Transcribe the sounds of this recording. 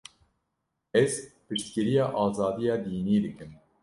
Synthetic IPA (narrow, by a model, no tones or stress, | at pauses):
ɛzpɨʃt̪kɨɾijɑːʔɑːzɑːd̪ijɑːd̪iːniːd̪ɨkɨm